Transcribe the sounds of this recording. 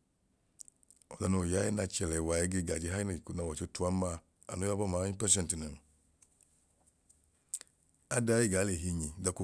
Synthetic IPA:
ɔ˨da˧no˨ja˨˦jɛ˦na˧t͡ʃɛ˨lɛ˨wa˨jɛ˨˧˦ɡe˦˧˨ɡa˨d͡ʒi˧˦ɦa˦n˨na˨wa˨t͡ʃo˧˦tu˦a˦ma˦˨ | a̰˨no˦ja˦bɔ˦maː˨˦i˦pɛ˦s̬ɛ˦˨nti˨na˨m˨ | a˦da˦je˦˨ɡa˨˦le˨ɦi˧ɲi˨˦da˧ko˦

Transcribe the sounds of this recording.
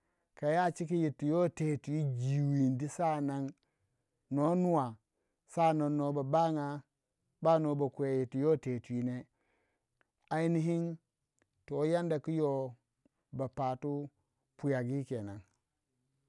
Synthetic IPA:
ka˨ja˦˨t͡ʃi˦ki˦ji˨tːi˨jo˦te˨tu˨i˦d͡ʒi˨wi˨ndi˦sa˦na˨ŋ | no˨˦nu˦wa˨ | sa˦˨no˨nːo˨˦ba˨ba˦ŋa˨ | ba˦no˨ba˨ku˨e˨ji˨tːu˨jo˦te˨tu˨i˦ne˦ | a˨i˦ni˦ɦi˦n | to˨˦ja˦nda˨ki˦jo˨ | ba˨pa˨tu˦ | pu˨ja˨ɡi˦ke˨na˨ŋ

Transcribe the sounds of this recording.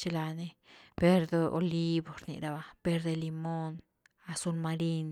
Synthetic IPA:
t͡ʃe˧la˧ne˧pe˦ɾd̪o˧ʔo̰˧li˦bo˨ɾnḭ˨ɾa˧ba˧pe˧ɾd̪e˧li˧mo˦n | a˧su˧lma˧ɾi˦n

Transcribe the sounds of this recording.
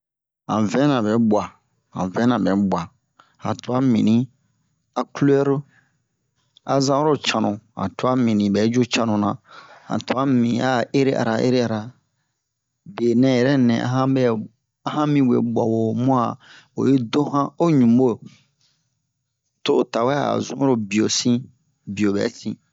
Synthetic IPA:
hã̰˨vɛ̃˦nã˨bɛ˨˦bwa˨ | hã̰˨vɛ̃˦nã˨bɛ˨˦bwa˨ | hã˨to˨˦a˦mḭ̃˨nĩ˦ | a˦ku˦lu˦ɛ˦ɾo˦ | a˨zã˦o˦ɾo˦t͡ʃã˨nũ˨hã̰˨tu˦a˦mĩ˨nĩ˨bɛ˨˦d͡ʒo˦t͡ʃã˦nũ˨nã˨hã̰˨to˨a˦mĩ˨a˦e˦ɾe˦ʔa̰˨ɾa˨ʔḛ˦ɾe˦a˨ɾa˨ | be˨nɛ̃˦˨jɛ˨ɾɛ˦nɛ̰̃˨ʔa̰˦ɦã˦bɛ˦ | ã˦hã˦mĩ˦wḛ˨ɡ͡bɔ̰˨wo˨mũ˦a˨ | o̰˨je˦dõ˦hã˦o˦ɲũ˨mbo˦˨ | to˦˨ta˨wɛ˦a̰˨zũ˦ɾo˦bi˨o˨sĩ˦ | bi˨o˨bɛ̰˨˦sḭ̃˦

